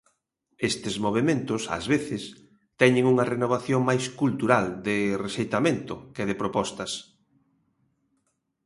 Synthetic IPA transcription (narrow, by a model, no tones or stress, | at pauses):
est̪ɪzmoβ̞emẽnt̪ʊsɐ̰zβeθɪs | t̪ɛɲɪŋuŋɐrenoβ̞aθjoŋmajskult̪uɾald̪ɪreʃejt̪ament̪ʊkeðɪpɾopɔst̪ɐs